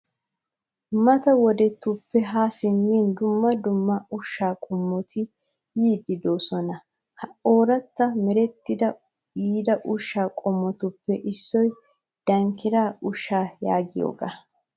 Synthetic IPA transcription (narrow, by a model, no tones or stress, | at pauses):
mɐt̪ɐwɔd̪ɛt̪ːʊpːɛɦaːsɪmːiːnd̪ʊmːɐd̪ʊmːɐʊʃːaːkʼɔmːɔt̪ʰɪ | jiːd̪ɪd̪o̞ːsɔnɐ | hɐoːɾɐt̪ːɐmɛɾɛt̪ːɪd̪ɐ | iːd̪ɐʔʊʃːaːkʼɔmːɔt̪ʊpːɛʔɪsːɔj | d̪̥ɐŋkːɪɾaːʊʃːaːja̰ːɡɪjo̰ːɡa̰ː